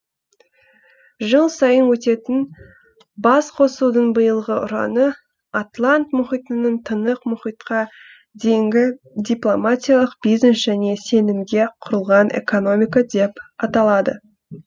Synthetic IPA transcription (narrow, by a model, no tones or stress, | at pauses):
ʒəlˠsɑjənwɵt̪e̞t̪ɪn | bɑsqʰo̞sud̪əɴbəjəlˠʁəʔʊɾɑ̰nə | at̪lˠant̪mʊχijt̪ənəɴt̪ʰənəqmʊχijt̪qɑ | d̪e̞ŋɡʲɪ | d̪iplˠo̞matʲijalˠəq̚bijznesʒ̥æne̞se̞nɪmd̪e̞qʰʊɾəlˠʁɑnʔe̞̰ko̞no̞mʲijkad̪e̞pɑt̪ɑlˠɑd̪ə̰